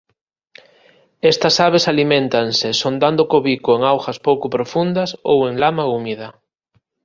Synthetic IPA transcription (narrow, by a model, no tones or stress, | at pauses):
est̪ɐsaβesalimẽnt̪aŋsesond̪and̪okoβikoeŋawxɐspowkʊpɾofund̪ɐso̰weŋlamaumið̞ɐ